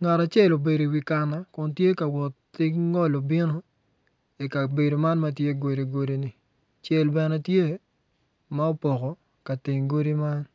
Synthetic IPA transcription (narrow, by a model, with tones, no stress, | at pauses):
ŋa˨ɾa˨t͡ʃɛ˦˨lo˨be˨do˨wi˨ka˨na˦kʊ˨ntje˦ka˨wɔ˨tː | ɪ˦ŋɔ˦lo˨bɪ˦no˦ | e˨ka˨be˨do˨ma˦nma˦tje˦ɡo˨ɾe˨ɡo˦di˦ni˨ | t͡ʃɛ˦lbɛ˨nɛ˦tje˦ | ma˦o˦pɔ˨kɔ˨ | ka˨tɪ˨ŋɡo˦ɾi˦ma˦n